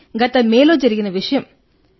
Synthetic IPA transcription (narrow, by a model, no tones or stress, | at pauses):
ɡɐt̪ːɐmeːloːd͡ʒɐɾɪɣɪnɐʋɪʂɐjɐm